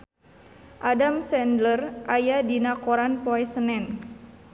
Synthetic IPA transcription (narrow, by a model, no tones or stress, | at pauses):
ʔadamsɛndlərʔajadinakoɾanpoɛsənɛn